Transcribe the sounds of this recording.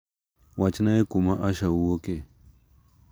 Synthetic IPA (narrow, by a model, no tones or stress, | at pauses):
wat͡ʃinaekumaʔaʃawuwoke